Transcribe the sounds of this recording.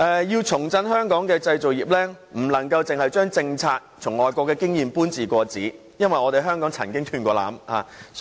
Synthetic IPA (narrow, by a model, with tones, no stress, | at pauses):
ʔɛː˨jiː˧wt͡sʰʊ˨˩ŋt͡sɐ˧nhœː˥ŋkɔː˨˥ŋkɛː˧t͡sɐ˧jt͡so˨˩wjiː˨p̚lɛː˥ | m̩˨˩lɐ˨˩ŋkɐ˧wt͡sɪ˨ŋhɐ˨jt͡ʃœː˥ŋt͡sɪ˧ŋt͡sʰaː˧k̚t͡sʰʊ˨˩ŋɔː˨˩jkʷɔː˧kːɛː˧kɪ˥ŋjiː˨mpuː˥nt͡siː˨kʷɔː˧t͡siː˨˥ | jɐ˥nwɐ˨jɔː˨˧t̪e˨jɦœː˥ŋkɔː˨˥ŋt͡sʰɐ̰˨˩nkɪ˥ŋt̪ʰyː˧nkʷɔː˧la̰ː˨˥mha̰ː˨